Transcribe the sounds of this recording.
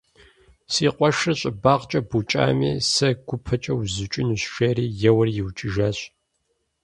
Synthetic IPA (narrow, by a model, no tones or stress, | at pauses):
siːqʷʼɔʂrɐɕʼɪbaːqt͡ʃʼɐbut͡ʃʼa̰ːmḭːsɐɡ̥ʷʊpʰɐt͡ʃʼɐwzɨt͡ʃʼɪnuɕʃeːɾiːjɛwɐrjɪwt͡ʃʼɪʒɐɕ